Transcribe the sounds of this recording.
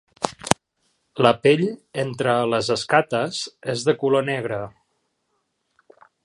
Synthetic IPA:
ləpeʎent̪ɾələzəskat̪əzezðəkulonɛɣ̞ɾə

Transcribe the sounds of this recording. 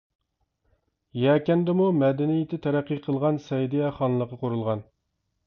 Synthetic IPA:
jɛːkʲɛnd̪ɛmumɛd̪ɪnijɪt̪ʰɪt̪ʰæɾæqːiqʰəlˠʁɑnsɛjd̪ijɛχɑnlˠəqːɑqʰoɾulˠʁɑn

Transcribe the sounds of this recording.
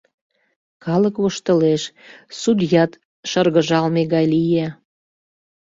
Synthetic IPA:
kɑləkβoʃt̪ə̆leʃsud̪jɑt̪ | ʃərɣə̆ʒɑlmeɣɑjlijæ

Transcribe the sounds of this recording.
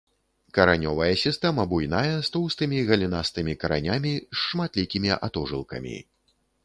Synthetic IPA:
kɐɾanʲɔvɐjɐsʲist̪ɛmɐbujnajɐst̪uwst̪ɨmʲiɣɐlʲinast̪ɨmʲikɐɾa̰nʲamʲisːmat̪lʲikʲimʲiʔa̰t̪ɔʐɨlˠkɐ̰mʲḭ

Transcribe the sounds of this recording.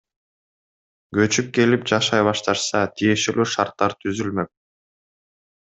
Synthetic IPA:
ɡø̞t͡ʃyp̚ke̞lip̚d͡ʒɑʃɑjβɑʃt̪ɑɾsɑt̪ʰije̞ʃe̞lyːʃɑɾt̪ːɑɾt̪ʰyzylmø̞k̚

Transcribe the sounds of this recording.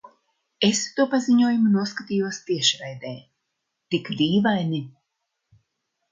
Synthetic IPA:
est̪uɔpaziɲuɔjumunuɔskat̪ijuɔst̪iɛʃɾɛjd̪ɛː | t̪ikd̪ʲiːvajni

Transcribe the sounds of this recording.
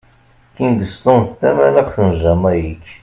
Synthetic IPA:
kind̪əst̪ont̪ːæmænæqθənʒæmæjikː

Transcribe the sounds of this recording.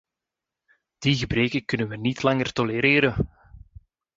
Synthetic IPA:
d̥iɣəbreːkəkɵnənʋənitlɑŋərt̪ɔleɾeːɾən

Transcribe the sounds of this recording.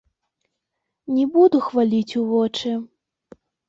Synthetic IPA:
nʲɛbud̪uxvalʲit͡sʲuvɔt͡ʂɨ

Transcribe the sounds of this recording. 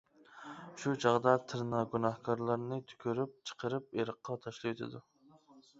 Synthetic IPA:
ʃut͡ʃʰɑʁd̪ɑt̪ʰɨɾnɑɡunɑhkʰɑɾlˠɑɾnɨt̪ʰy̥kʲʰyɾyp̚t͡ʃʰə̥qʰəɾɨp̚eɾəqʰːɑt̪ʰɑʃlˠɨjt̪ʰɪ̰d̪u

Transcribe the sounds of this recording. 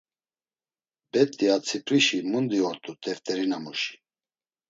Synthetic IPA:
bɛt̪ʼːiat͡sʰipʰʼɾiʃimund̪iɔɾt̪ʼut̪ʼɛft̪ʼɛɾinamuʃi̥

